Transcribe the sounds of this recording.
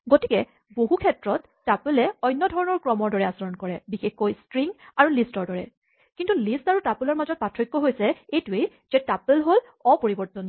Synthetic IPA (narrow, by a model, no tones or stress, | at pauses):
ɡotikɛ | boɦukʰɛtɹɔtːapulɛɔjnːɔdʱɔɹɔnɔɹkɹɔmɔɹdɔɹɛasɔɹɔnkɔɹɛbixexkːojstɹiŋaɹulistɔɹdɔɹɛ | kintulistaɹutapulɔɹmazɔt̚patʰɹɔjkːɔɦojsɛejtuej | z̥ɛtapəlɦol | ɔpoɹibɔɹtɔn